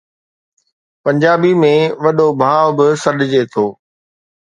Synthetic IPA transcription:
pɐ̃ɲd͡ʑaːbimẽʋɐɗobʱaːʋbɪsɐɗɪd͡ʑet̪ʰoː

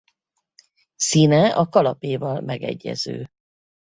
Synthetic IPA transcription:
siːnɛɒkɒlɒpeːvɒlmɛɡɛ̰ɟːɛ̰zøː

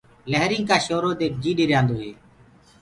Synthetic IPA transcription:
ləɦɾɪ̃ːkaːʃoːɾoːd̪eːk̚ʰd͡ʒiːɗiːɾjãːnd̪oːɦḛː

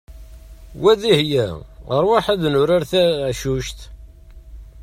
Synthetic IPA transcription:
wæðihjæɾˤwaħæðnʊɾaɾθæʃuʃt̪

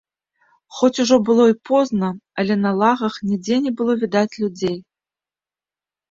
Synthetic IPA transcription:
xɔt͡sʲuʐɔbɨlˠɔipʰɔznɐɐlʲɛnɐlˠaɣɐxnʲid͡zʲenʲɛbɨlˠɔvʲid̪at͡sʲlʲud͡zʲej

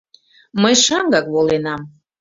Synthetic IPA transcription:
məjʃɑŋɡɑkβolenɑm

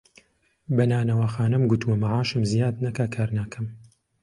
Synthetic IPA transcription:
bɐnaːnɐwaxaːnɐmɡut̪uɐmaʕaːʃɨmzijaːd̪nɐkakʰaːɾnaːkʰɐm

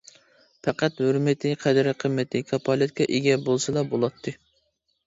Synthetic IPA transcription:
pʰæqæt̪høɾmɪt̪ʰɪqʰæd̪ɪɾɪqʰəmːɪt̪ʰɪkʰɑpʰɑlˠɨt̪̚kʰʲɛʔeɡʲɛbolˠsɨlˠɑbolˠɑt̪ʰːɨ

